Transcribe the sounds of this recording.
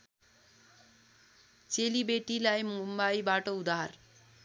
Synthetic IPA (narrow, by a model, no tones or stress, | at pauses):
t͡selibeʈilajmumbajbaʈʌud̪ar